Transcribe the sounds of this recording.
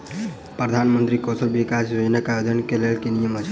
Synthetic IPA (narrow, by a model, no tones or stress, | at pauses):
pɾəd̪ʱanmənt̪ɾikɔsəlbikasɾod͡ʒnəkaod̪ənkelelkenijəmət͡ʃʰ